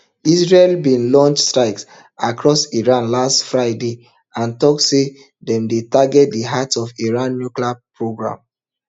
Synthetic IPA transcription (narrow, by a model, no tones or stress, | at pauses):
isɹelbĩnlɔ̃nt͡ʃstɹaɪks | akɹɔsiɹãnlastfɹaɪde | ãntɔk̚tse | dɛ̃mdetaɡɛt̚diɦatɔfiɹãnːjukliapɹoɡɹã̰m